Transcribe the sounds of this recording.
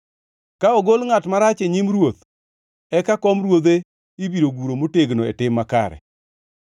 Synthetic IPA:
kaɔɡolŋatmaɾat͡ʃeɲimɾwot̪ | ɛkakɔmɾwod̪e | ibiɾoɡuɾomoteɡnoḛtɪmːaka̰ɾɛ̰

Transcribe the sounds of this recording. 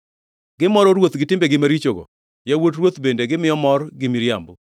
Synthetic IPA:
ɡ̥ɪmɔɾɔɾwot̪ɡɪtɪmbeɡɪmaɾit͡ʃoɡo̰ | jawot̬rwot̪bendeɡɪmɪjɔmɔrɡɪmiɾjambʊ

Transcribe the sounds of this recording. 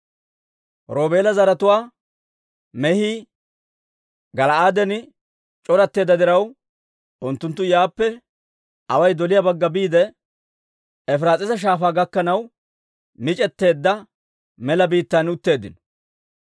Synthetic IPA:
ɾo̞ːbe̞ːlɐzɐɾɐt̪ʊwaː | mɛhi | ɡɐlɐaːd̪ɛnɪ | t͡ʃʼɔɾɐt̪ːe̞ːd̪ːɐd̪ɪɾɐw | ʊnt̪ːʊnt̪ːʊjaːpːɛ | ɐwɐjd̪ɔlɪjɐbɐɡːɐbiːd̪ɛ | ɛfɪɾaːt͡sʼɪsɐʃ̬aːfaːɡɐkːɐnɐw | mɪt͡ʃʼɛt̪ːe̞ːd̪ːɐ | mɛlɐbiːt̪ːanʊt̪ːe̞ːd̪ːɪ̰nɔ̥

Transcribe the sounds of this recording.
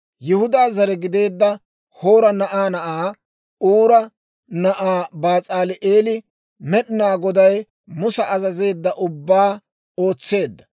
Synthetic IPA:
jʊhʊd̪aːzɐɾɛɡɪd̪e̞ːd̪ːɐ | ho̞ːɾɐnɐʔaːnɐʔaː | uːɾɐ | nɐʔaːbaːt͡sʼaːlɪʔeːlɪ | mɛɗɪnaːɡɔd̪ɐj | mʊsɐʔɐzɐze̞ːd̪ːɐʔʊbːaː | o̞ːt͡sːe̞ːd̪ːɐ̥

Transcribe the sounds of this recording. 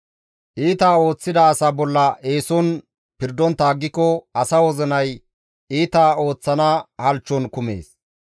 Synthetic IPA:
ʔiːt̪aːo̞ːt͡sːɪd̪ɐːsabɔlːɐʔe̞ːsɔn | pɪɾd̪ɔnt̪aːɡːɪkːɔɐsɐwɔzɛnɐj | iːt̪aːo̞ːt͡sːɐnɐhɐlt͡ʃːɔnkʊme̞̰ːs

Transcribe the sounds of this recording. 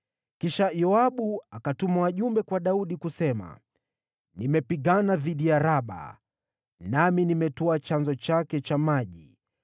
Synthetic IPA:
kiʃajɔaɓuakatumawaʄumbɛkwaɗauɗikusɛma̰ | nimɛpiɠanaðiɗijaɾaɓa̰ | naminimɛtɔat͡ʃanzɔt͡ʃakɛt͡ʃamaʄi

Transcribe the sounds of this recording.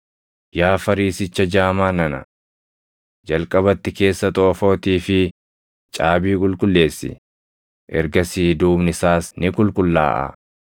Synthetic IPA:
jaːfɐɾiːsɪt͡ʃːɐd͡ʒaːmaːnɐnɐ | d͡ʒɐlkʼɐbɐt̪ːɪke̞ːsːɐt̪ʼo̞ːfo̞ːt̪iːfɪ | t͡ʃʼaːbiːkʼʊlkʼʊlːe̞ːsːɪ̰ | ʔɛɾɡɐsiːd̪uːbnɪsaːsnɪkʼʊlkʼʊlːa̰ːʔɐ̰

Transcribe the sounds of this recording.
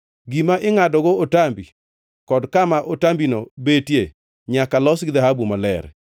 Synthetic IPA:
ɡimaʔɪŋadɔɡootambi | kɔdkamaʔotambinobetje | ɲakalɔsɡɪd̪aɦabumalɛ̰ɾ

